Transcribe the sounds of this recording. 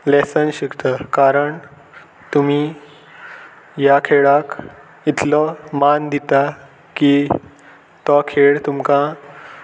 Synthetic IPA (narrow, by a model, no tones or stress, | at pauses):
lɛsənɕikt̪akaɾəɳ | t̪um̤i | jakʰeɭak | it̪ʰlɔmand̪it̪a | ki | t̪ɔkʰeɭt̪umkã